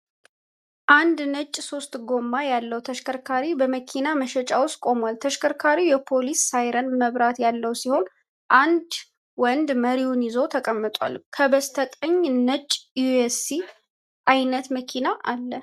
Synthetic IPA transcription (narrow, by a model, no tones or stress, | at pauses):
ʔand̪nət͡ʃʼːso̞st̪ʼɡo̞mːajalːəwt̪ʰəʃkʰəɾkʰaɾibəməkʰinaməʃɛt͡ʃʼawʊst̪kʼo̞mwalt̪ʰəʃkʰəɾkʰaɾijɛpʰo̞lisːajɾənməβɾat̪jalːəwsiho̞n | ʔand̪ | wɔnd̪məɾiunɪzo̞t̪ʰəkʼəmːɨt̪ʼwa̰lkʰəbəst̪ʰəkʼəɲnət͡ʃʼːjuesi | ʔajnət̪məkʰinaʔalːə